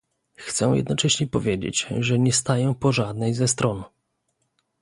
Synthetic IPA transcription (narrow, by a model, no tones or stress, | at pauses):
xt̪sɛ̃jɛ̰d̪nɔt͡ʂɛɕɲɛpɔvʲjed͡ʑḛt͡ɕʐɛɲɛst̪ajɛpɔʐad̪nɛjzɛst̪ɾɔn